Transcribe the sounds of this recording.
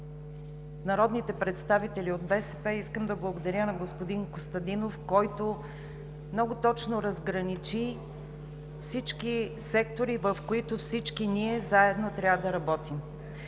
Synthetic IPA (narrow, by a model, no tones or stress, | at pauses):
nɐɾɔd̪nit̪ɛpɾɛt̪st̪avit̪ɛliod̪̚bɛsɛpɛiskəmd̪ɐblˠɐɡod̪ɐɾʲjənɐɡospod̪inkost̪ɐd̪inofkɔjt̪o | mnɔɡot̪ɔt͡ʃnoɾɐzɡɾɐnit͡ʃi | fsit͡ʃkisɛk̚t̪oɾivəfkoit̪ʊfsit͡ʃkiniɛzaɛd̪not̪ɾʲjavəd̪ɐɾɐbɔt̪im